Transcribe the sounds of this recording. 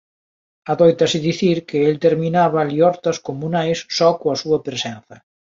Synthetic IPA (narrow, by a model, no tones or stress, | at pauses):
ɐðojt̪ɐsɪðiθiɾkɪelt̪eɾminaβɐliɔɾt̪ɐskomunajsːɔkõɐsuɐpɾesɛnθɐ